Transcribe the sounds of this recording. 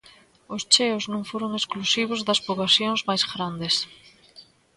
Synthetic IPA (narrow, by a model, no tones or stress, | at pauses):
ʊst͡ʃeʊznõŋfoɾoŋesklusiβ̞ozðɐspoβlasjoŋzmajzɣɾand̪es